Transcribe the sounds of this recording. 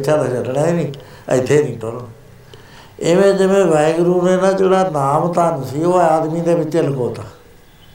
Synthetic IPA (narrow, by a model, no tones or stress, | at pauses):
t͡ʃʃʰaːd̪aʃəlɽãːeːnḭː | ɪt̪ʰːeːnĩːʈoːloː | eʋẽːd͡ʒɪʋẽːʋɛːɡɾuːneːnãːd͡ʒeːɽaːnaːmt̪aːnsiːoːaaːd̪miːd̪eːbɪt͡ʃːəlkoːt̪aː